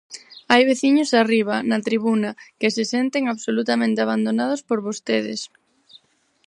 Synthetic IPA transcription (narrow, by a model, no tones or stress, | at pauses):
ajβeθiɲʊsariβɐnɐt̪ɾiβunɐkɪsɪsent̪eŋaβsolut̪amẽnt̪eaβ̞and̪onað̞ʊspoɾβost̪eðɪ̰s